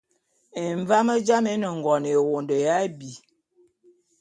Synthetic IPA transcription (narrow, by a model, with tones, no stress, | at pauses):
e˨ɱ˨va˦mə˦d͡ʒa˦me˦nə˨ŋ˨ɡɔ˨ne˨wo˨ndə˨ja˦bi˨